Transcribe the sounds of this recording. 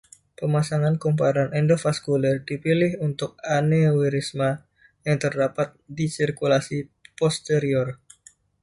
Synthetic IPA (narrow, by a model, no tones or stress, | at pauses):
pəmasaŋankump̬aɾanʔɛndofaskulərdipilɪɦunt̪ʊk̚anewiɾisma | jaŋt̪ərdapat̪̚disirkulasipɔst̪eɾiɔr